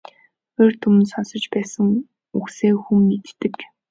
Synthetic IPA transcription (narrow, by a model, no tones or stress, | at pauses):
ert̪ʰum̆nsɔnsɞ̆t͡ɕpæːsə̆ŋ | ukseːxumːet̪ːɘ̆k